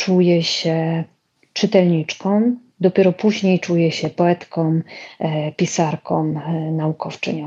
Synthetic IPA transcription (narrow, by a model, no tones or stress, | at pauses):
t͡ʂujɛɕɛ | t͡ʂɘt̪ɛlɲit͡ʂkɔ̃m | d̪ɔpʲjɛɾɔpuʑɲejt͡ʂujɛɕɛpɔɛt̪kɔm | pʲisaɾkʰɔmnaukɔft͡ʂɘ̰ɲɔ̃m